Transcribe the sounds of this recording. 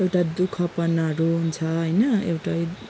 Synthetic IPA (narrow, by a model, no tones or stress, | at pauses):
ewʈad̪ukʰʌpʌnaɾuɦunt͡sʰʌɦʌjnʌewʈaj